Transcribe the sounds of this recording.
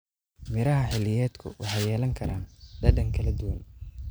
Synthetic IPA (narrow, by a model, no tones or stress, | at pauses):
mɪɾɐɦɐħɪlɪjɛːd̪kʰʊ̰wʔɑħɑjɛːlɐŋkʰɐɾaːnd̪ɐdɐŋkʰɐlɐd̪ʊwɐn